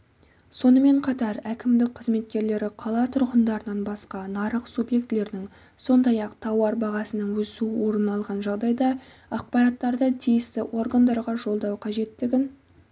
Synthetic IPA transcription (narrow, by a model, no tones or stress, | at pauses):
so̞nəme̞ɴqʰɑt̪ɑɾækʲɪmd̪ɪk̚qʰəzme̞t̪kʲe̞ɾle̞ɾɪqʰɑlˠɑt̪ʰʊɾʁənd̪ɑɾənɑnbɑsqɑnɑɾəqsubje̞k̚t̪le̞ɾd̪ɪŋ | so̞nd̪ɑjɑqt̪ʰɑwɑɾbɑʁɑsənəɴwɵsuwo̞ɾənɑlˠʁɑnʒɑʁd̪ɑjd̪ɑ | ɑq̚pɑɾɑt̪ːɑɾd̪ət̪ʰijɪst̪ɪwʔo̞rɡand̪ɑɾʁɑʒo̞lˠd̪ɑwqʰɑʒe̞t̪ːɪɡʲɪn